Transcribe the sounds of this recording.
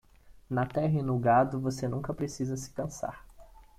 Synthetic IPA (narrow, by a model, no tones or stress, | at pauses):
nɐt̪ɛɦɐinʊɡad̪ʊvosenũŋkɐpɾesizɐsɪ̥kɐ̃sa̰ɾ